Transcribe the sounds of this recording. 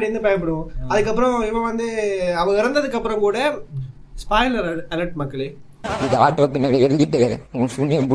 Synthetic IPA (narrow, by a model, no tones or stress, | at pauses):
ɽɪɯnd̪ɯpɐjɐpːɐɽɯʋʊ̃ɐðɯkːɐpːɯɾɔ̃ɪpːɐʋɐnd̪ɯɐʋɐɪɾɐnd̪ɐðɯkːɐpːɯɾɐ̃mkuːɽɐ | spaːɪlɐɾɐɐlɐʈmɐkːɐɭe | ɪðɐaːʈːopːɪnːɐɽɐɛɾɡiʈːɐɐʊsunːɪjɐbu